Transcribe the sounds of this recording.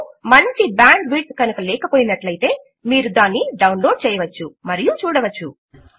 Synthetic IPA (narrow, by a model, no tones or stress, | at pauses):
mɐɲt͡ʃibaːɳɖbiːʈskɐnukɐlɛːkɐpoːjinɐʈlɐjit̪e̞ː | miːɾud̪aːnːiɖɐwnlo̞ːɖ̚t͡ʃɛːjɐʋɐt͡ʃːumɐɾijut͡ʃuːɽɐʋɐt͡ʃːu